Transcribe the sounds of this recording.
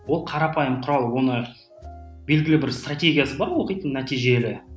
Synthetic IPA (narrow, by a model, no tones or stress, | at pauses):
wo̞lˠqʰɑɾɑpɑjəmqʰʊɾɑlˠwo̞nə | be̞lɡʲɪlɪbɪɾst̪ratʲe̞ɡʲijasəbɑɾwo̞qəjt̪ənnːæt̪ijʒe̞lɪ